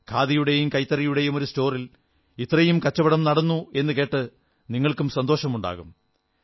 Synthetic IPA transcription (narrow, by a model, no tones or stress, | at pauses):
kʰaːðijuɽejumkɐjt̪ːɐrijuɽe̞jumo̞ɾusto̞ːril | it̪rɐjumkɐt͡ɕːɐbɐɽɐmnɐɽɐnːue̞nːɨke̞ːʈːɨ | niŋːɐɭkumsɐnd̪o̞ːʂɐmuɳɖa̰ːɣum